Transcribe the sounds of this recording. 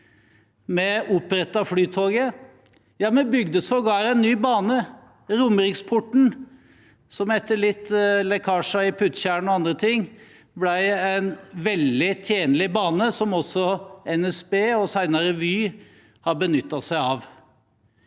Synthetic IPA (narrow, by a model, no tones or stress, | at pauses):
mɛʊpːɾɛt̪ːɑflyːt̪ʰoːɡə | jɑːmɛbʏɡd̪əsɔɡɑːɾɛnːyːbɑːnə | ɾʊməɾɪkspʰʊʈɳ̩ | sɔmhɛt̪ːəɭɪt̪ːlɛkʰɑːʂɑɪpʰʉt̪çæɳɔɑnd̪ɾət̪ʰɪŋː | blæɪæɪnʋɛld̪ɪt̪ʰjeːnlɪbɑːnəsɔmɔsːɔɛnɛsbeːɔsæɪnɑɾəʋyː | hɑɾbənʏt̪ːɑsæɪɑːʋ